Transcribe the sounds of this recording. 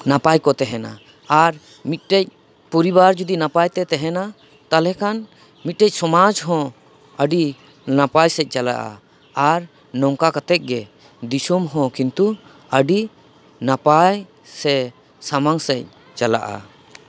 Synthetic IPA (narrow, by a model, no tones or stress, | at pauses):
napajkɔt̪ɛɦɛna̰ː | ɾ | mit̪̚ˀʈɛc̚ | pɔɾibaɾd͡ʒud̪inapajt̪ɛt̪ɛɦɛna | t̪alɛkan | mit̪̚ʈɛc̚sɔmad͡ʒɦɔ̃ | əɖi | napajsɛc̚ˀt͡ʃala̰ʔa̰ | aɾ | nɔŋkakat̪ɛc̚ɡɛ | d̪isɔmɦɔ̃kint̪u | əɖi | napaj | sɛ | samaŋsɛc̚ | t͡ʃala̰ʔa̰